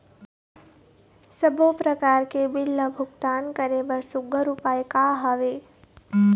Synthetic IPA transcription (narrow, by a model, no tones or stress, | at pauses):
səbʱopɾəkaɾkebɪlːəbʱʊɡt̪ankəɾebəɾsʊɡʱəɾupajkaɦəʋe